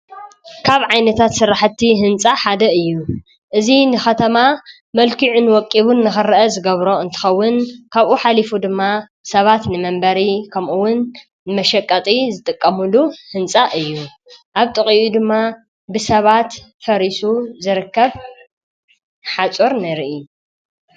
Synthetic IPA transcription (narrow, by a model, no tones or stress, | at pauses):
kʰaβʕajnɐt̪ʰat̪sɨɾːaħt̪ʰːiɦɨnt͡sʼaħad̪ɐɨjːu | ʔɨzinɨxɐt̪ʰɐma | mɐlkiʕunwɔkʼːiβunːɨxɨɾɐʔɐzɨɡɐβɾo̞ɨnt̪ʰɨ̥xɐwːʊnkʰaβʔuħalifud̪ɨmːa | sɐβat̪nɨmɐmbɐɾikʰɐmʔuwːʊn | mɐʃɐkʼːɐt̪ʼizɨt̪ʼɨkʼːɐmuluhɨnt͡sʼaʔɨjːu | ʔaβt̪ʼɨχʼiʔud̪ɨmːa | bɨsɐβat̪ | fɐɾisuzɨɾɨkːɐβ | ħat͡sʼoɾnɐɾiʔi